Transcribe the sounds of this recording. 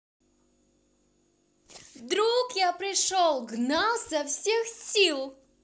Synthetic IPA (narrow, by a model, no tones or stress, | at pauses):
d̪ɾukjapɾʲɪʂolˠɡnalˠsɐfsʲexsʲilˠ